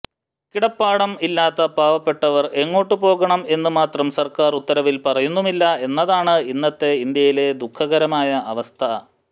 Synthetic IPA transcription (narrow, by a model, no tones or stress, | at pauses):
kiɽɐpːaːɽɐmilːaːt̪ːɐbaːʋɐpːe̞ʈːɐʋɐre̞ŋːo̞ːʈːɨpo̞ːɣɐɳɐme̞nːɨmaːt̪rɐmsɐrkaːrut̪ːɐɾɐʋilpɐrɐjunːumilːɐe̞nːɐðaːɳɨinːɐt̪ːe̞ind̪jɐjile̞d̪ukʰːɐɣɐɾɐmaːjɐʔɐʋɐst̪ʰɐ